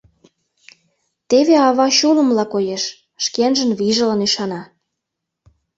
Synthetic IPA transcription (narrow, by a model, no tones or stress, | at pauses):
t̪eβeɑβɑɕulə̆mlɑkojeʃ | ʃkenʒə̆nβiʒə̆lənyʃɑnɑ